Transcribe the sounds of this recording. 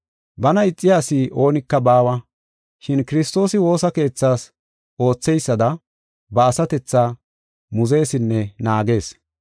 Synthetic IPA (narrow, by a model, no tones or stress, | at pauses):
bɐnɐɪt͡sʼːɪjaːsɪʔo̞ːnɪkːɐbaːwɐ | ʃɪnkɪɾɪst̪o̞ːsɪwo̞ːsɐke̞ːt͡sːaːs | ʔo̞ːt͡sːɛjsːɐd̪ɐ | bɐːsɐt̪ɛt͡sːaː | mʊze̞ːsɪnːɛnaːɡe̞ːs